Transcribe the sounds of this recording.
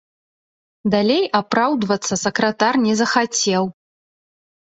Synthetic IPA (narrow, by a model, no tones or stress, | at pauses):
d̪alʲejapɾawd̪vɐt̪sːɐsɐkɾɐt̪arnʲɛzɐxat͡sʲɛw